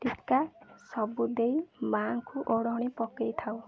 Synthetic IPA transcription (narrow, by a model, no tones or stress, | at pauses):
ʈikasɔbud̪ejmaŋkuʔoɽɔɔɽ̃ipɔkejt̪ʰaw